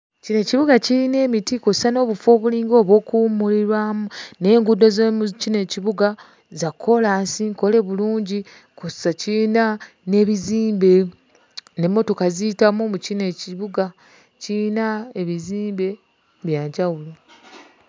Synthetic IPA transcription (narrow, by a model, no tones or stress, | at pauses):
cine̞ciβuɡaciɾine̞ːmitikossano̞ːβufo̞ːβuliːŋɡo̞ːβo̞ːkumuliɾwamune̞ːŋɡudːo̞zemucine̞ciβuɡa | zakʰːo̞laːsiŋko̞le̞βuluːɲɟi | kossacina | ne̞βiziːmbe̞ | ne̞mːo̞to̞kaziitamumucine̞ciβuɡa | cinaeβiziːmbe̞ | βjaːɲɟawula